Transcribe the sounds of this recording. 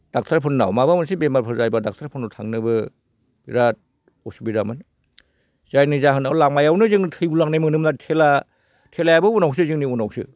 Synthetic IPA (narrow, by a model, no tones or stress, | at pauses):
d̥ak̚tʰaɾpʰɯnːa̰wmabamɯnsibemaɾpʰɯɾzajbadak̚tʰaɾpʰɯnɔtʰaŋnɯbɯ | b̥iɾat̚ | ɔsubidamɯn | z̥ajnɯzaɦɯnalaŋmajawnɯzɯŋtʰɯjbulaŋnajmɯnɯmnatʰela | tʰelajabɯunaws̬ɯzɯŋniunawsɯ̰